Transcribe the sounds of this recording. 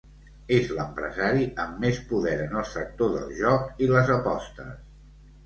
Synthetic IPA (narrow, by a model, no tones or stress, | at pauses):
ezləmpɾə̰zaɾiʔəmːespuðɛɾənəlˠsək̚t̪oðə̰lˠʒɔkiləzəpɔst̪ə̰s